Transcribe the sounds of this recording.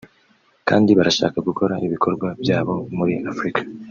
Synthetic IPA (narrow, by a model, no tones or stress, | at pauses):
ka̰ːndiβaɾaʃa̰ːkaɡuko̞ɾaʔiβikʰo̞ɾɡwabjaːβo̞muɾiʔafɾikḁ